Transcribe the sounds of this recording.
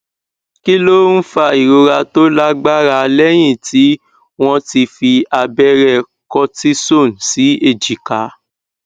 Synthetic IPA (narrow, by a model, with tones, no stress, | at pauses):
ki˦lo˦n̩˦fa˧i˨ɾo˧ɾa˧to˦la˦ɡ͡ba˦ɾa˧lɛ˦j̃ĩ˦˨tʰi˨˦ | w̃ɔ̃˧ti˧fi˧a˧bɛ˦ɾɛ˧˨ | kɔ˧ti˦so˦˨n̩˨si˨˦e˦˨d͡ʒi˨ka˨˦